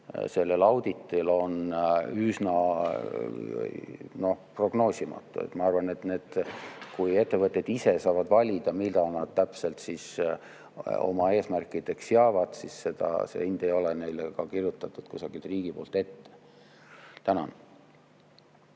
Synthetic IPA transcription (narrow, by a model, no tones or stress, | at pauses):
se̞lːe̞lɑwd̪̥it̪ːˑilo̞nysnɑ | no̞pro̞ɡ̥no̞ːsʲimɑ̰t̪ːˑṵḛt̪ːˑmɑɑrvɑne̞t̪ne̞ːd̪̥kuje̞t̪ːe̞vɤt̪ʲːˑe̞d̪̥ise̞sɑːvɑd̪vɑlʲid̪̥ɑmid̪̥ɑnɑd̪̥̚t̪æpse̞lt̪sis | o̞̰mɑe̞ːsmærkːˑid̪̥e̞ksjɑːvɑd̪̥sisse̞d̪̥ɑ̰sḛind̪̥e̞jo̞lene̞jlekɑkirjut̪ːˑɑt̪ːˑud̪̥kusɑɡ̥it̪riːɡ̥ipo̞ːlt̪e̞t̪ːe̥ | t̪ænɑn